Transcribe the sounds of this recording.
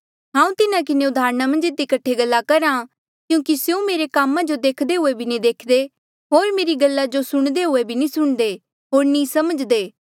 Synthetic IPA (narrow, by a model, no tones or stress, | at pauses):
ɦãːũt̪ɪnãk̬ɪneʊd̪ʱaːɾnamɐ̃nd͡ʒɪd̪ikɐʈʰːeɡɐlːakɐɾã | kjũːkisjũmeːɾekaːmãd͡ʒod̪eːkʰd̪eɦʊebʱinĩd̪eːkʰd̪e | ɦoːɾmeːɾiɡɐlːad͡ʒosʊɽ̃d̪eɦʊebʱinĩsʊɽ̃d̪e | ɦoːɾnĩsɐməd͡ʒd̪eː